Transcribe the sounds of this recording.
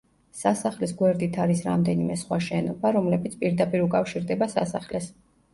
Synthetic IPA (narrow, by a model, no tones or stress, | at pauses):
sasaχlɛsɡwɛɾd̪it̪ʰaɾisɾa̰md̪ɛnimɛsχwaʃɛnɔbaɾɔmlɛbit̪sʰpʼiɾd̪apʼiɾukʼafʃiɾd̪ɛbasa̰saχlɛs